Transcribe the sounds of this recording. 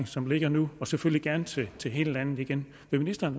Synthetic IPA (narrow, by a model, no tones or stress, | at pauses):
ŋsɒ̽mle̝ɡ̥ɐnuɒ̽seføl̰liɡ̥æɐnt͡sʰet͡sʰe̝ɦe̝ːləlænð̩ˠiɡ̥en | ʋe̝minisd̥ɐːn